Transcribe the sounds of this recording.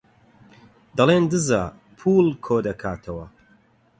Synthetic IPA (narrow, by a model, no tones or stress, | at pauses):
d̪ɐlˠeːnd̪ɨza̰ː | pʰuːlˠkʰoːd̪ɐkʰaːt̪ʰɐwɐ̰